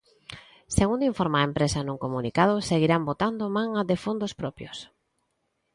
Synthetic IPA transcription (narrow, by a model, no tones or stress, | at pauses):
seɣund̪oiɱfɔɾmaempɾesanuŋkomunikað̞ʊseɣiɾambot̪and̪omaŋaðefond̪ospɾɔpjos